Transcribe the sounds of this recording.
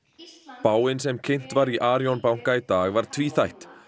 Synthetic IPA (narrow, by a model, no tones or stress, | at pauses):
paːwɪnsɛmcʰejn̥t̪vaɾiʔaːɾjɔnpawŋ̥kait̪aːɣvaɾ̥t̪ʰviːθajht̪